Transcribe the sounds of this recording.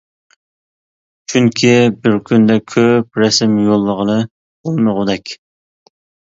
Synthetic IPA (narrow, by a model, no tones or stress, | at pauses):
t͡ʃʰyŋkʲʰibɪɾkʲʰynd̪ɛkʲʰøp̚ɾɛsɪmjolˠːəʁənɨ | bolˠməʁʊd̪ɛkʲ